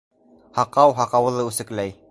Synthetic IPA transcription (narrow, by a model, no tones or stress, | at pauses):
hɑqɑwɦɑqɑwɤ̆lˠɤʉsɘ̆klæj